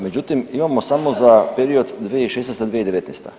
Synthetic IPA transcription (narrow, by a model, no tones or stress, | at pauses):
me̞d͡ʑut̪imimamo̞samo̞zapeɾio̞d̪d̪ʋieiʃesnest̪ad̪ʋied̪eʋet̪nest̪a̰